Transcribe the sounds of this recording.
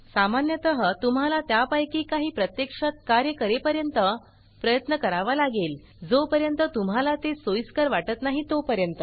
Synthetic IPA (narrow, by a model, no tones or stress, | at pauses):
samanjət̪əɦət̪um̤alat̪japajkiːkaɦiːpɾət̪jekʂat̪̚kaɾjəkəɾepəɾjənt̪ə | pɾəjət̪nəkəɾaʋalaɡel | d͡zopəɾjənt̪ət̪umɦalat̪esojskaɾʋaʈət̪naɦiːt̪opəɾjənt̪ə